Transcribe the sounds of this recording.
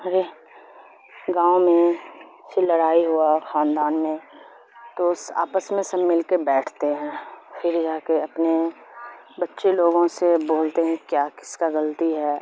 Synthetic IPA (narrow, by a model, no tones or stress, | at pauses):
ɐɾe | ɡãːomẽ | seləɽaːiɦʊaxaːnd̪aːnmẽ | t̪oʊsa̰ːpəsmẽsɐbmɪlkebɛːʈʰt̪eɦɛ̃ːfʰɪɾd͡ʒaːkeɐpne | bɐtːʃeloːɡõseboːlt̪eɦɛ̃kjaːkɪ̥skaɣəlt̪iɦɛː